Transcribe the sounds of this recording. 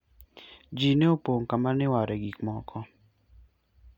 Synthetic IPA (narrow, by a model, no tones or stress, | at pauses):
d͡ʒineopoŋkamanɪwaɾɛɡikmɔkʰɔ